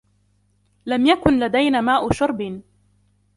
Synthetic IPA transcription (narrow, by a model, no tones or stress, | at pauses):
lamjakʊnlad̪ajnaːmaːʔʊʃʊɾˤbɪ